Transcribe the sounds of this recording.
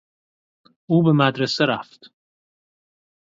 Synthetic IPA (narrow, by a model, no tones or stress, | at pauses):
ʔuːbe̞mæd̪ɾeseɾæft̪